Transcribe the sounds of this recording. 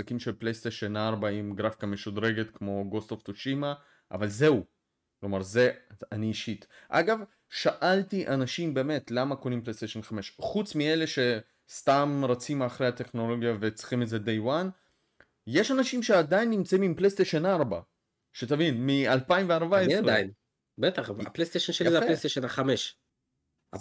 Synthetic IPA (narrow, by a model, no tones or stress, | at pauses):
akimʃelplejst̪eʃenaʁbaimɡʁafi̥kameʃudɾe̞ɡe̞t̪kmo̞ɡost̪oft̪oʃima | ʔa̰valze̞u | klomaʁze̞aniːʃit̪ʔa̰ɡav | ʃaʔaltiʔanaʃimbe̞ːme̞t̪lamakonimplest̪eʃenχame̞ʃχut͡smiele̞ʃe̞ | st̪amʁat͡simaχɾejhat̪eχno̞lo̞ɡjave̞t͡sχimetze̞d̪ejwan | je̞ʃanaʃimʃe̞ad̪ajinːimt͡saimimplest̪eʃenaʁba | ʃet̪avinmialpaimveaʁbaeʁain | bet̪aχaplejst̪eʃonʃeazeaflest̪eʃenaχameʃ | a